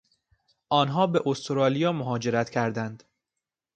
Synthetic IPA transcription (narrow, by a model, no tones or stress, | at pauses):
ʔɒːnɦɒːbe̞ʔost̪ʰoɾɒːlijɒːmoɦɒːd͡ʒe̞ɾæt̪cʰæɾd̪ænd̪̥